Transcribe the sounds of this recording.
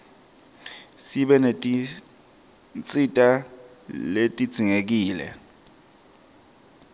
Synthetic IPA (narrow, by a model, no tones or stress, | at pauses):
siɓɛnetʼi | nt͡sʼitʼa | letʼid̥z̥ʱiŋek̬iːlɛ̰